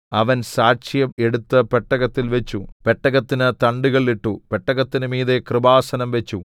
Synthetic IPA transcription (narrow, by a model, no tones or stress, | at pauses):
ɐʋɐnsaːʂjɐme̞ɽut̪ːɨpeʈːɐɣɐt̪ːilʋet͡ɕːupe̞ʈːɐɣɐt̪ːinɨt̪ɐɳɖuɣɐɭiʈːupeʈːɐɣɐt̪ːinɨmiːðe̞krɨbaːsɐnɐmʋe̞t͡ɕːu